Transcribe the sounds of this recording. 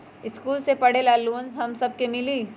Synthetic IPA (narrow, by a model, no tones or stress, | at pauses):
ɪskuːlsepɐɽelaːluːnzɦɐmsɐb̚kemɪliː